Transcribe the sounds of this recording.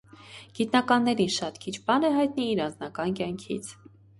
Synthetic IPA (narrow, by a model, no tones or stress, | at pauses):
ɡ̥it̪nɑkɑnːɛɾinʃɑt̪kʰit͡ʃʰbɑnəɦɑjt̪niːɾɑnd͡znɑkɑnkjɑŋkʰḭt͡sʰ